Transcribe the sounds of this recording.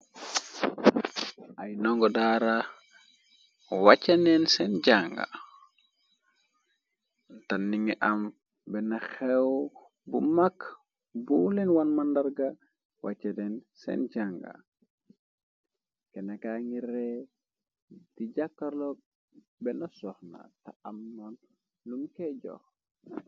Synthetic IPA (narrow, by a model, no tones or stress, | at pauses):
ajnɔŋɡɔdaɾa | wat͡ʃanɛnsɛnd͡ʒaŋɡa̰ | ntanːiŋɛʔam | bɛnaxɛw | bumak | bulinwanmandaɾɡa | wa̰t͡ʃedɛnsɛ̰nɟaŋɡa̰ | kɛnakaŋiɾɛ | tiɟakːaɾlɔ | bɛnasɔhna̰taamnɔn | lumkɛɟɔ̰x